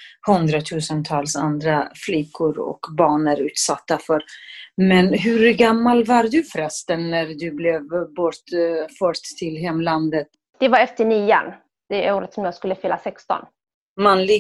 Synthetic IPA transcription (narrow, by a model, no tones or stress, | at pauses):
hɵnd̪ɾat̪ʰʉ̟ːsənt̪ʰɑːlsa̰nd̪ɾaflɪkʰːʊɾɔ̰kbɑːɳəɾʉ̟ːt̪sat̪ːafœɾmɛnɦɵɾɡamːalvaɾd̪ɵfɾɛst̪ənːæɾd̪ɵblɛvbɔʈfœt̪ʰːɪlɦɛmːland̪ət̪̚ | d̪̥ɛvaɾɛft̪əniːə̰n | d̪̥ɛoːɾət̪sɔmjɑːɡskɵlːəfɪlːasɛkst̪ɔ̰n | manlɪ